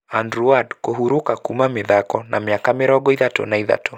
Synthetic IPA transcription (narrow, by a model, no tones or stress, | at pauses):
andɾuadkoɦuɾokakumamɪðakɔnʔamiakamɪɾɔɡɔiðatɔ̰naiða̰tʰɔ